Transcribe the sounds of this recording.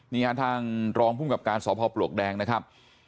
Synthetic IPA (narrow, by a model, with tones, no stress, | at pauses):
niː˦˥˩a˦˥˩t̪ʰaː˥˩ŋɾɔː˧ŋpʰuː˥˩mka˨˩p̚kaː˧nsɔː˩˦pʰɔː˧plu˨˩ək̚dɛː˧ŋna˦˥kʰa˦˥p̚